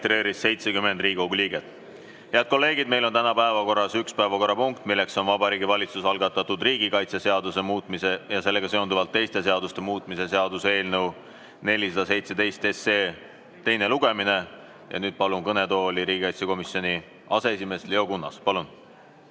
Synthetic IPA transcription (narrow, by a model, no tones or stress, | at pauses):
t̪ɾe̞ːɾisse̞jt̪sekymend̪riːɡi̥ɡoɡuliːɡet̪ˑ | heɑd̪̚ko̞lːe̞ːɡ̥id̪̥me̞jlo̞nt̪ænɑpæevɑko̞rːɑsykspæevɑko̞rːɑpuŋkt̪ˑmilːekso̞nvɑbɑɾiːɡivɑlʲit̪susɑlɡ̥ɑt̪ːɑt̪ːˑud̪riːɡ̥ikɑjt̪seseɑd̪use̞muːt̪ˑmise̞jɑse̞lːe̞ɡɑse̞ond̪uvɑlt̪ːe̞jst̪e̞se̞ɑd̪ust̪e̞muːt̪ːˑmise̞se̞ɑd̪use̞ːlnew | ne̞lʲisɑd̪̥ɑse̞jt̪se̞d̪e̞jst̪e̞seː | t̪e̞jne̞luɡ̥e̞mine̞ | jɑ̰nyːd̪̥̚pɑlunkɤne̞t̪o̞ːlʲiɾiːɡikɑjt̪seko̞misio̞ni | ɑseesime̞sleo̞kunːɑ̰spɑlun